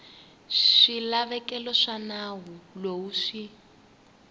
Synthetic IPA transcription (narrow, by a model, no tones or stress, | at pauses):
ʂilaβɛkɛlɔʂanawulowuʂi